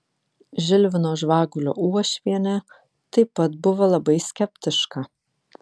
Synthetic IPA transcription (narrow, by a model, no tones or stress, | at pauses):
ʒʲɪlʲʋʲɪnoːʒʋɑːɡʊlʲo̰ːuɔʃʲʋʲiɛnʲɛ | t̪ɐɪpɐt̪bʊʋɐlˠɐbɐɪsʲkʲɛpʲt̪ʲɪʃkɐ